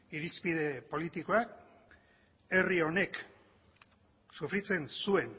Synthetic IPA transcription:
iɾispið̞e̞po̞lit̪iko̞ak | e̞rio̞ne̞k | sufɾit͡se̞nsue̞n

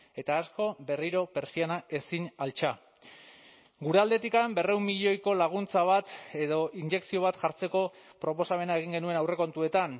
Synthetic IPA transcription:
e̞t̪aːsko̞be̞riɾo̞pe̞ɾsianae̞sinalt͡ʃa | ɡuɾeald̪e̞t̪ikambe̞re̞unmiʎo̞jko̞laɣ̞unt͡saβat̪e̞ðo̞ʔiɲd͡ʒe̞ksio̞β̞at̪ʝaɾt͡se̞ko̞pɾo̞po̞same̞naeɣ̞iŋɡe̞nue̞nawre̞ko̞nt̪ue̞t̪an

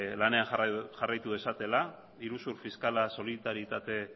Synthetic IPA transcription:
lane̞anxʝarajt̪uðe̞sat̪e̞la | iɾusuɾfiskalaso̞lit̪aɾjit̪at̪e̞

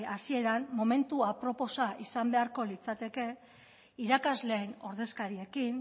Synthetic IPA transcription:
asie̞ɾanmo̞me̞nt̪uapɾo̞po̞saʔisambe̞aɾko̞lit͡sat̪e̞ke̞ | iɾakazle̞ːno̞ɾðe̞skaɾie̞kin

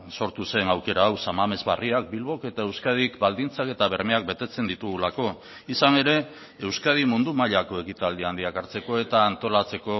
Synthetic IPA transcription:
so̞ɾt̪use̞nawke̞ɾaːwsamame̞zβariak̚bilβo̞ke̞t̪ae̞wskað̞ikbald̪int͡sake̞t̪aβe̞ɾme̞ak̚be̞t̪e̞t͡se̞nd̪it̪uɣulako̞ | isane̞ɾe̞ | ewskað̞imund̪umaʎako̞e̞kit̪ald̪iand̪iakaɾt͡se̞ko̞e̞t̪aːnt̪o̞lat͡se̞ko̞

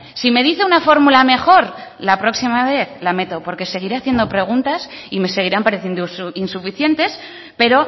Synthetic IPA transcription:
sime̞ð̞iθe̞unafo̞ɾmulame̞xo̞ɾlapɾo̞ksimaβe̞θlame̞t̪o̞po̞ɾke̞se̞ɣ̞iɾeaθje̞nd̪o̞pɾe̞ɣ̞unt̪asime̞se̞ɣ̞iɾampaɾe̞θjend̪osinsufiθje̞nt̪e̞s | pe̞ɾo̞

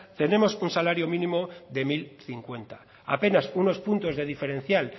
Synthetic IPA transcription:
t̪e̞ne̞mo̞sunsalaɾjo̞mĩnĩmo̞ðe̞milθiŋkwe̞nt̪ḁ | a̰pe̞nasuno̞spunt̪o̞zðe̞ð̞ife̞ɾe̞n̟θjal

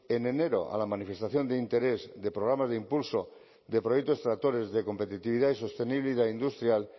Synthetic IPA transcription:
ene̞ne̞ɾo̞̰a̰lamanife̞st̪aθjo̞nd̪eint̪e̞ɾezd̪e̞pɾoɣ̞ɾamazðeimpulso | d̪e̞pɾojekt̪o̞st̪ɾat̪o̞ɾe̞zðeko̞mpe̞t̪it̪iβ̞iðaisost̪e̞niβliðaind̪ust̪ɾjal

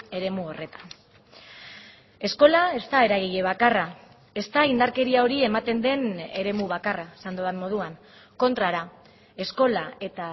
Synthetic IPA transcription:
e̞ɾe̞muo̞re̞t̪ḁn | e̞sko̞lae̞st̪ae̞ɾaɣiʎe̞β̞akara | e̞st̪aind̪aɾke̞ɾiao̞ɾie̞mat̪e̞nd̪e̞ne̞ɾe̞muβ̞akarasand̪oðanmːo̞ð̞uaŋ | ko̞nt̪ɾaɾa | e̞sko̞lae̞t̪a

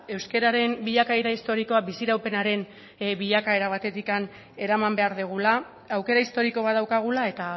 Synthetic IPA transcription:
e̞wske̞ɾaɾe̞mbiʎakaeɾaist̪o̞ɾiko̞abisiɾawpe̞naɾe̞n | βiʎakae̞ɾaβat̪e̞t̪ikan | e̞ɾamambe̞aɾðeɣ̞ula | awke̞ɾaist̪o̞ɾiko̞β̞aðawkaɣ̞ulae̞t̪a

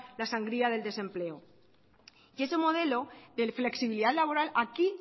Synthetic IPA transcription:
lasaŋɡɾiað̞eld̪esempleo | jiesemoð̞eloðefleksiβiliðat̪laβ̞oɾalaki

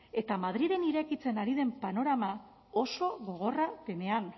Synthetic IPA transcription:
e̞t̪amaðɾiðe̞niɾe̞kit͡se̞naɾið̞e̞mpano̞ɾama | o̞so̞ɣo̞ɣ̞o̞rape̞ne̞an

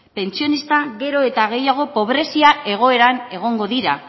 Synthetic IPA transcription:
pe̞nt͡sio̞nist̪aɣe̞ɾo̞e̞t̪aɣ̞e̞jaɣ̞o̞po̞β̞ɾe̞siaʔe̞ɣ̞o̞e̞ɾane̞ɣ̞o̞ŋɡo̞ðiɾa

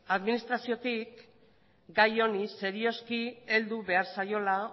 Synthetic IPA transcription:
aðminist̪ɾasio̞t̪ik | ɡajo̞nise̞ɾio̞skie̞ld̪uβe̞aɾsajo̞la

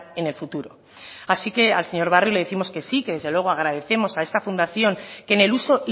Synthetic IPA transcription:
e̞ne̞lfut̪uɾo̞̰ | asike̞alse̞ɲo̞ɾβ̞arjuleeθimo̞ske̞sike̞ðe̞zðelwe̞ɣ̞o̞aɣ̞ɾað̞e̞θe̞mo̞saest̪afund̪aθjo̞ŋke̞ne̞luso̞ʔi

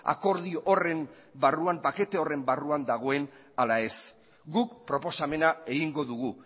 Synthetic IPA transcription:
a̰ko̞ɾðiore̞m | baruampake̞t̪e̞o̞re̞mbaruand̪aɣ̞o̞e̞n | alae̞s | ɡuk̚pɾo̞po̞same̞nae̞ɣiŋɡo̞ðuɣ̞u

